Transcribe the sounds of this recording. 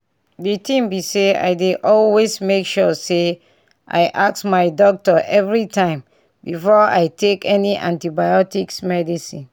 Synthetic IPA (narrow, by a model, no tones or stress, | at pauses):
ditĩmbisea̰ɪdeʔɔlwesmekʃɔse | ʔa̰ɪʔaksmaɪdɔk̚tɔʔɛvɹitʰãɪ̃m | bifɔa̰ɪtʰekɛniʔã̰ntibajɔtiksmɛdisĩn